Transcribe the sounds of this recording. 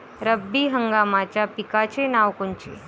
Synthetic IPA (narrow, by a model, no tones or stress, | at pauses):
ɾəbːiɦəŋɡaːmat͡ʃapikat͡ʃʰenaːʋkʊnt͡ʃḛ